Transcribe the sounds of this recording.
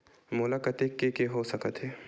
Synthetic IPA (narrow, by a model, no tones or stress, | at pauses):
mʊlakət̪ekːekeɦosɐkət̪ɦɛː